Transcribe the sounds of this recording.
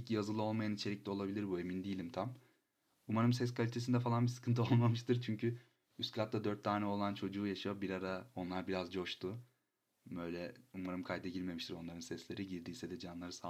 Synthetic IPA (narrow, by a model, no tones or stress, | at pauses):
icjazɯlˠɯo̞lˠmajanit͡ʃʰelʲiclʲɛo̞lˠabilʲiɾbue̞mind̪ijilʲimt̪ʰam | umaɾɯmsɛs̬kʰalʲit̪es̬ind̪ɛfalˠanbisɯ̥kʰɯnt̪ɯo̞lˠmamɯʃt̪ɯɾt͡ʃʰyɲcʰy | yskʰlʲat̪ːad̪øɾt̪ʰːaːnɛo̞lˠant͡ʃʰo̞d͡ʒuːjaʃajobiɾaɾao̞nlˠaɾbiɾazd͡ʒo̞ʃt̪ʰu | bø̞jlʲɛumaɾɯmkʰajd̪ɛɟiɾme̞miʃt̪ʰiɾo̞nˠaɾɯnsɛslʲe̞ɾiɟiɾd̪iːsɛd̪ɛd͡ʒanlˠaɾɯsa